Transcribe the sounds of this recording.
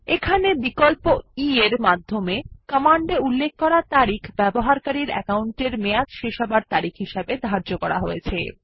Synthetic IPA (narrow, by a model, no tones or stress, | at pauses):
ekʰanebikolpoieɾmad̪ʱːomekəmaɳɖeulːek̚ʰkɔɾat̪aɾikʰbɛboɦaɾkaɾiɾɛ̰kauɳʈeɾmejatʃeʃabaɾt̪aɾikʰɦiʃabed̪ʱaɾd͡ʑokɔɾa̰ɦojet͡ɕʰe